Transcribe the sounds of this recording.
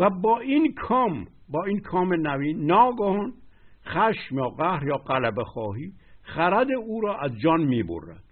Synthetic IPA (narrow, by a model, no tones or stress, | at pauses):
væbɒːinkʰɒːm | bɒːinkʰɒːmenæviːnːɒːɡɒhɔnxæʃmjɒːɣæhɾjɒːɢælæbexɒːɦiː | χæɾæd̪euːɾɒːʔæzd͡ʒɒːnmiːbo̰rːæ̰d̪̥